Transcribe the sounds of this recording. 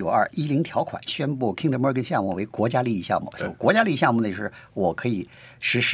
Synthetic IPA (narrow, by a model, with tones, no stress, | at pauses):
o˨˩ʊɐ̰˞˥˩i˥li˧˥ŋt̪ʰjɑ˧˥ʊkʰwa̰˨˩˦nɕɥɛ˥npu˥˩kʰi˥ŋd̪ə˧˩mə˥k̬ə˥nɕjɑ˥˧ŋmu˨˩we˧˥ɪkwɔ˧˥t͡ɕja˥li˥˧i˧˩ɕjɑ˥˧ŋmṵ˥˩˥kwɔ˧˥t͡ɕja˥li˥˧i˧ɕjɑ˥˧ŋmu˨˩ə˩jo˧˩ʂɻ̩˥˩wɔ˨˩kʰɤ˧˥i˨˩˦ | ʂɻ̩˧˥ʂ